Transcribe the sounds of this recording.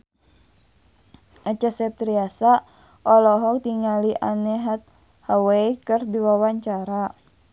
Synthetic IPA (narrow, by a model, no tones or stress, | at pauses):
ʔat͡ʃasɛp̚t̪ɾiasa | ʔɔlɔɦɔk̚t̪iŋaliʔanɛɦat̪̚ | hawaikərdiwawaɲt͡ʃaɾa